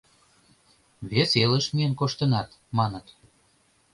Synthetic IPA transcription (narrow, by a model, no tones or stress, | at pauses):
βeseləʃmiənkoʃt̪ənɑt̪ | mɑnət̪